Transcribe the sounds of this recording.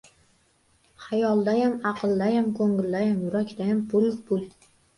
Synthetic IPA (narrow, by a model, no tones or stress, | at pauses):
hajɒlˠd̪ajamɑqʰɨlˠd̪ajamkʰɵŋɪld̪ajamjʊɾakʲd̪ajampʰʊlɪpʊl